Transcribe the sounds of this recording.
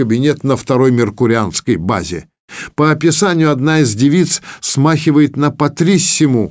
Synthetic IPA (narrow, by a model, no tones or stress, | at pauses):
əbʲɪnʲet̪nəft̪ɐɾo̞jmʲɪrkʊɾʲɪanskəjba̰zʲɪ̰ | pəɐpʲɪsanʲɪjʊɐd̪naizdʲɪvʲit̪ssmaxʲɪvəjɪt̪nəpɐt̪ɾʲisʲːɪmu